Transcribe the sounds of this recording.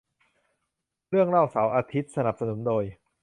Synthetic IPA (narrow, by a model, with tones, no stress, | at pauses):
ɾɯ˥˩əŋɾa˥˩wsa˩˦wʔaː˧t̪ʰi˦˥t̪̚sa˧na˨˩p̚sa˧nu˩˦ndoː˧j